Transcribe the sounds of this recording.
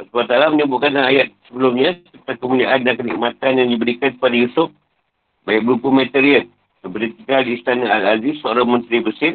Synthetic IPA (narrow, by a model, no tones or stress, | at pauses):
səbat̪alaməɲəbʊʔkankanajat̪̚səbəlumɲasət̪akəmuliaʔandankənḭk̚mat̪anjaŋdibəɾikanpadajusʊp̚ | bajak̚bəlupumɛt̪ɛɾiən | t̪əbəɾit̪iɡaldiːst̪anaalazisoaɾamə̃nt̪ɾibəsɪr